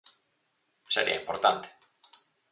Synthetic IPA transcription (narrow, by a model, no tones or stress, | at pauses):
seɾḭa̰impoɾt̪ant̪e̥